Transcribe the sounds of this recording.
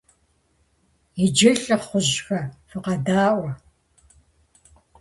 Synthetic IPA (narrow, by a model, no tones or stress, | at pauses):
id͡ʒɪɬʼɨχʷʊʑxɐfɨqɐdaːʔʷɔ